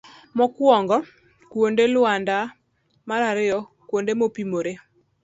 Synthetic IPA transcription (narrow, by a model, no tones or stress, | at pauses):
mɔkwɔŋɡɔ | kwondelʊanda | maɾaɾɪɔ | kwondemopimoɾe